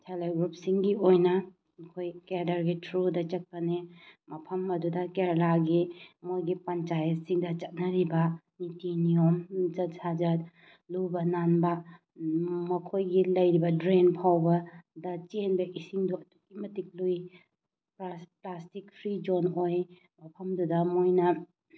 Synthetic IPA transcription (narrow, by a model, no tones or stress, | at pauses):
tʰeleɡɾup̚siŋɡiojnɐ | mɐkʰojkeɾdɐɾɡitʰɾudɐt͡ʃɐt̚pɐnemɐpʰɐmɐdudɐkeɾlaɡimojɡipɐnt͡ʃajɐt̚siŋdɐt͡ʃɐt̚nɐɾibɐ | nitinijomd͡ʒɐtsad͡ʒɐt | lubɐnanbɐ | mɐkʰojɡilɐjɾibɐdɾenpʰawbɐdɐt͡ʃenbɐʔisiŋduɐtukimɐtik̚luj | plasplastik̚pʰɾid͡ʒonoj | mɐpʰɐmdudɐmojnɐ